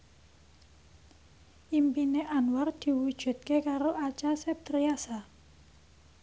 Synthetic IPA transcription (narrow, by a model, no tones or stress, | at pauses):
ʔimpineʔanward̪̥i̤wud̥ʒ̥ṳt̪̚kekaɾoʔat͡ʃasep̚d̪̥ɾiasa